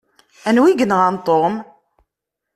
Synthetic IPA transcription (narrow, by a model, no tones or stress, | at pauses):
ænwiɡənʁant̪ˤːom